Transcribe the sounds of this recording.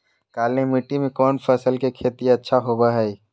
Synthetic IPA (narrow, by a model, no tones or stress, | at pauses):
kaːlnemiʈːimẽkɔːnpʰəsəlkekʰeːt̪iɐtːʃʰaɦoːbaɦɛi